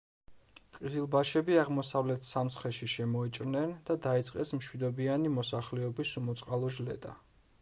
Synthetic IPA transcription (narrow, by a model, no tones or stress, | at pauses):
qʼizilˠbaʃɛbiaʁmɔsavlɛt̪ʰsamsχɛʃiʃɛmɔit͡ʃʼɾnɛnd̪̥ad̪ait̪sʼqʼɛsmʃwid̪ɔbianimɔsaχlɛɔbisumɔt̪sʼqʼalˠɔʒlɛ̰d̪a̰